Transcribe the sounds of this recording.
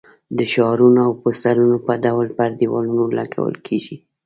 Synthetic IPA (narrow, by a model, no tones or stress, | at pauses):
d̪əʃɑɾunoawpost̪aɾunopəd̪awlpaɾd̪iwɑ̰lunola̰ɡa̰wə̰lkʰeʒi